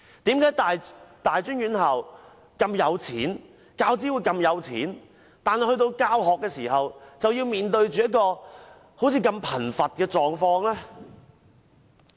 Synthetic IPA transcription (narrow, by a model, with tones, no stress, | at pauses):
t̪iː˨˥mkaː˨˥jt̪aː˨jt̪aː˨jt͡ʃyː˥nɥyː˨˥nhɐ˨˩w | kɐ˧mjɐ˨˧wt͡sʰiː˨˥n | kaː˧˥wt͡siː˨˥wu˨˧jkɐ˧mjɐ˨˧wt͡sʰḭː˨˥n | t̪aː˨nhɐ˨˩hɵ˧jt̪o˧wkaː˥wɦɔː˨kːɛː˧siː˨˩ɦɐ˨wt͡sɐ˨wjiː˧wmiː˨nt̪ɵ˧ɥt͡ʃyː˨jɐ˥t̚kɔː˧ | ho˨˥wt͡sʰiː˨˧kɐ˧mpʰɐ˨˩nfɐ˨t̚kɛː˧t͡ʃɔː˨ŋfɔː˧ŋlɛː˥